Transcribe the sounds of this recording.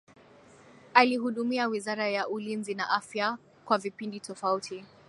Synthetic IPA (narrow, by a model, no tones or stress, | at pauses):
alihuɗumiawizaɾajaʔulinzinaʔafja | kwavipinditɔfautʰi